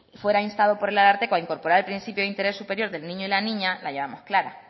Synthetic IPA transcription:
fwe̞ɾainst̪aðo̞po̞ɾe̞lalaɾt̪e̞koaiŋko̞ɾpo̞ɾaɾelpɾinθipjoint̪e̞ɾe̞sːupe̞ɾjo̞ɾðe̞lnĩɲoilanĩɲalʔajʝe̞βamo̞hklaɾa̰

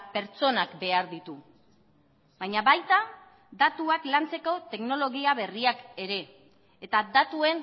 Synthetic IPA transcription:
pe̞ɾt͡so̞nakbe̞aɾðit̪u | βajɲaβajt̪a | ðat̪uaklant͡se̞ko̞t̪e̞kno̞lo̞ɣiaβe̞riake̞ɾe̞ː | t̪ad̪at̪ue̞n

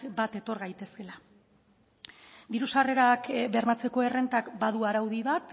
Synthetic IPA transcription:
bat̪e̞t̪o̞ɾɣajt̪e̞ske̞la | d̪iɾusare̞ɾakbe̞ɾmat͡se̞ko̞e̞re̞nt̪akbaðuaɾawðiβat̪

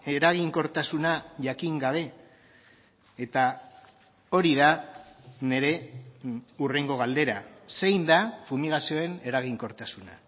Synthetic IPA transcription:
e̞ɾaɣ̞iŋko̞ɾt̪asunaʝakiŋɡaβ̞e̞ | t̪a | o̞ɾiða | ne̞ɾe̞ | ure̞ŋɡo̞ɣ̞ald̪e̞ɾase̞jnd̪afumiɣ̞asio̞e̞ne̞ɾaɣ̞iŋko̞ɾt̪asuna̰

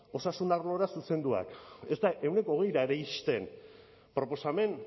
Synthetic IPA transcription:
o̞sasund̪aɾlo̞ɾasuse̞nd̪ua̰ke̞zt̪aʔe̞wne̞ko̞ɣe̞jɾaeɾeiʃt̪e̞n | pɾo̞po̞same̞n

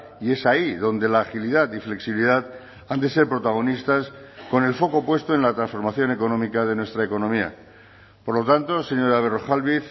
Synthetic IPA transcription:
ie̞saiðo̞nd̪e̞laːxiliðat̪ifle̞ksiβiliðat̪ | and̪e̞se̞ɾpɾo̞t̪aɣ̞o̞nist̪asko̞ne̞lfo̞ko̞pwe̞st̪oẽ̞nlat̪ɾansfo̞ɾmaθjo̞ne̞ko̞nõmikað̞e̞nwe̞st̪ɾaeko̞nõmia̰ | poɾlo̞t̪ant̪o̞se̞ɲo̞ɾaβeroxalβiθ

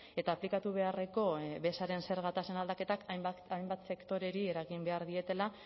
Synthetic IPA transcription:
e̞t̪aːplikat̪uβ̞e̞are̞ko̞βe̞saɾe̞nse̞ɾɣat̪ase̞nald̪ake̞t̪akajmbat̪se̞kt̪o̞ɾe̞ɾie̞ɾaɣimbe̞aɾðie̞t̪e̞la

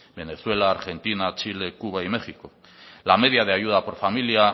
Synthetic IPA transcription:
be̞ne̞swe̞laːɾxe̞nt̪inat͡ʃile̞kuβaime̞xiko̞ | lame̞ð̞iað̞eajuð̞apo̞ɾfamilia

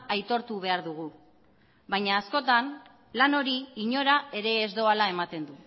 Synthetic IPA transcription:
ʔajt̪o̞ɾt̪uβ̞e̞aɾðuɣ̞u | βajɲaːsko̞t̪an | lano̞ɾiiɲo̞ɾae̞ɾe̞ːzd̪o̞alae̞mat̪e̞nd̪u

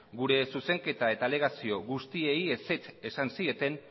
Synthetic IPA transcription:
ɡuɾe̞suse̞ŋke̞t̪ae̞t̪ale̞ɣ̞asio̞ɣust̪ie̞jese̞t͡se̞sansie̞t̪e̞n

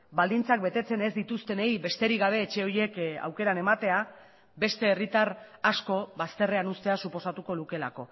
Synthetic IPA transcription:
bald̪int͡sakbe̞t̪e̞t͡se̞nezd̪it̪ust̪e̞nejβe̞st̪eɾiɣaβ̞e̞ːt͡ʃe̞o̞je̞ka̰wke̞ɾane̞mat̪e̞a | be̞st̪e̞ːrit̪arasko̞βast̪e̞reanust̪e̞asupo̞sat̪uko̞luke̞lako̞

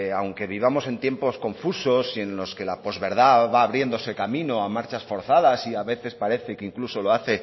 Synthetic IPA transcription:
awŋke̞β̞iβamo̞se̞nt̪je̞mpo̞sko̞ɱfuso̞sie̞nlo̞ske̞lapo̞zβe̞ɾð̞aβaːβɾje̞nd̪o̞se̞kamĩno̞amaɾt͡ʃasfo̞ɾθaðasiaβe̞θe̞spaɾe̞θe̞keiŋkluso̞lo̞aθe̞

